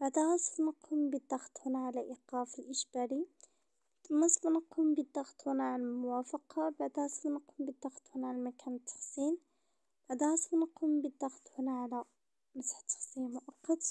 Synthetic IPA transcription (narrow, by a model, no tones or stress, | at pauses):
b̥aʕd̪æɣɑsˤlnəqʰumbid̪ːɑxt̪hʊnaʕalæʔiqɑfilʔəʃbæɾi | mɑsˤlnəqumbid̪ɑxt̪hʊnaʕalmʊwæfɑqɑbaʕd̪ɣɑsˤlnəqumbid̪ːɑxt̪hʊnaʕalmækʰænt̪ʰːɑ̥xsin | b̥aʕd̪ɣɑsˤlnəqumbid̪ɑxt̪hʊnaʕalæ | məsħt̪ːɑ̥xsˤinmʊʔɑqːɑt̪